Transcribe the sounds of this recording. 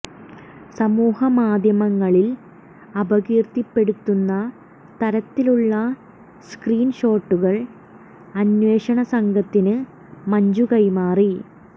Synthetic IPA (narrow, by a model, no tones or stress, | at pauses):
sɐmuːhɐmaːd̪ʱjɐmɐŋːɐɭil | ɐbɐɣiːrt̪ipːe̞ɽut̪ːunːɐ | t̪ɐɾɐt̪ːiluɭːɐ | skriːnɕo̞ːʈːuɣɐɭ | ɐnweːʂɐɳɐsɐŋɡɐt̪ːinɨ | mɐɲd͡ʑukɐjmaːri